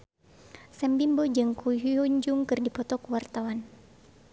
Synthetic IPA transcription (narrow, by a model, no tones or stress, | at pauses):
sɛmbimbod͡ʒɨŋkuɦuuɲd͡ʒuŋkɨrdipɔt̪ɔkuwart̪awan